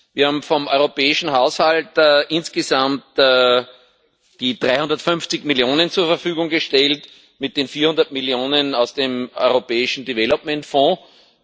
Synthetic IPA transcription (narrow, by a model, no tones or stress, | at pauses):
viːɐhaːbm̩fɔmʔɔʏʁopɛːɪʃn̩haʊshaltːʔɪnsɡ̥əzamtː | d̥iːd̥ʁaɪhʊ̃ndɐtfʏnft͡sɪçmiljoːnənt͡suːɐfɛɐfyːɡʊŋɡəʃtɛlt | mɪt̚d̥eːnfiːɐhʊ̃ndɐt̚miljoːnənaʊsd̥eːmɔ̰ʏʁopɛːɪʃn̩divɛlɔpmɛ̃ntfɔ̃ː